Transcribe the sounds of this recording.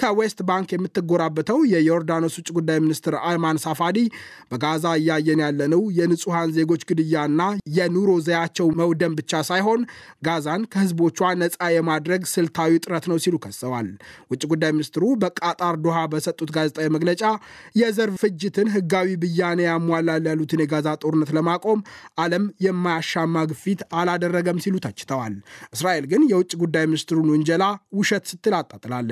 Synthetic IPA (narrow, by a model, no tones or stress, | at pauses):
kʰəwest̪baŋkjɛmːɨt̪ːɨɡoɾabːət̪ʰəwjɛjo̞ɾd̪ano̞swʊt͡ʃʼiɡud̪ːajmɨnist̪ʰɨɾalmansafad̪i | bəɡazaɨjːɛaɨjːɛnjalːənəwjɛnɨsʼuhanze̞ɡo̞t͡ʃːɡɨd̪ɨjːaɨnːajɛnuɾo̞zəjat͡ʃːɛwməwd̪əmbɨt͡ʃːasajɦo̞n | ɡazankʰəhɨzbo̞t͡ʃːuanəsʼajɛmad̪ɾəɡsɨlt̪ʰawit̪ʼɨɾət̪nəwsilukʰəsːəwalwʊt͡ʃʼːiɡud̪ːajminist̪ʰɨɾubəkʼat̪ʼaɾd̪oɦabəsət̪ʼːut̪ɡazɛt̪ʼajɛməɡlət͡ʃʼajɛzəɾfɨd͡ʒːɪt̪ʰɨnɦɨɡawibɨjːanəjamːalːaljalːut̪ʰɨnjɛɡazat̪ʼo̞ɾɨnːət̪ləmakʼo̞mʔaləmjɛmːajaʃːamːaɡfit̪alad̪ərːəɡəmsilut̪ʰat͡ʃːɪ̥t̪ʰəwalʔɨsɾaʔe̞lɡɨnjɛwʊt͡ʃʼːiɡud̪ːajminist̪ʰɨɾunʊnd͡ʒɛlawʊʃɛt̪sɨt̪ːɨlat̪ʼːat̪ʼɨlalː